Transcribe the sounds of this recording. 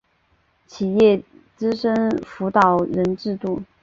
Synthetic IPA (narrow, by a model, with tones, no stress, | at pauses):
t͡ɕʰi˨˩jɛ˥˩ | ʈ͡ʂɹ̩˥ʂə˥ŋfu˧˥t̪ɑ˨˩ʊɻə˧˥nʈ͡ʂɻ̩˥˧t̪u˥˩